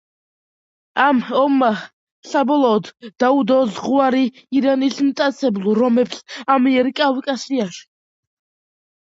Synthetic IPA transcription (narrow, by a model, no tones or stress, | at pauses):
amɔmːa | sabɔlˠɔːd̪ːaud̪ɔzʁuaɾiː | ɾanismt̪ʼat̪sʰɛblˠuɾɔmɛpsamiɛɾkʼawikʼasiaʃi̥